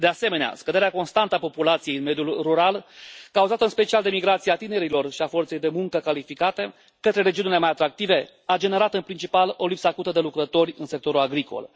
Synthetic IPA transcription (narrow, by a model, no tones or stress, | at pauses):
d̪e̞ase̞me̞nea̰skəd̪e̞ɾeako̞nst̪ant̪əapo̞pulat̪sije̞jɨnme̞d̪julruɾalkauzat̪əɨnspe̞t͡ʃiald̪emiɡɾat̪siat̪ine̞ɾilo̞rʃiafo̞rt̪se̞jd̪e̞muŋkəkalifikat̪e̞ | kət̪ɾe̞ɾe̞d͡ʒiunile̞majat̪ɾak̚t̪ive̞ | ad͡ʒe̞ne̞ɾat̪ɨnpɾint͡ʃipalo̞lipsəakut̪əd̪e̞lukɾət̪o̞rʲɨnsek̚t̪o̞ɾulaɡɾiko̞̰l